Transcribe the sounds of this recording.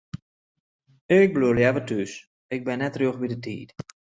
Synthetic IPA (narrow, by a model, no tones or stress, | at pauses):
ɪk̚bluljɛvətʰys | ɪk̚bɪnɛtroxbidətḭːt